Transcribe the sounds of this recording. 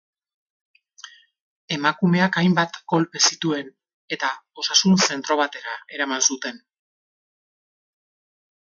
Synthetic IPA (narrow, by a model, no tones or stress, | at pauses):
e̞makume̞akajmbat̪ɡo̞lpe̞sit̪ue̞n | e̞t̪ao̞sasunse̞nt̪ɾo̞β̞at̪e̞ɾae̞ɾamansut̪e̞n